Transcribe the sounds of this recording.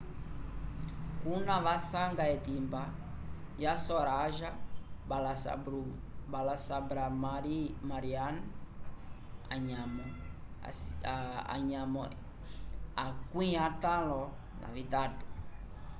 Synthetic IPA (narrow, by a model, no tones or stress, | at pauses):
kunaβasaŋɡaɛtimbajasɔɾaːʒala̰ɾ | balasabɾa | maɾian | ɲamɔ | a̰ɲamɔɛ | akwĩatalɔ | na̰βitatu̥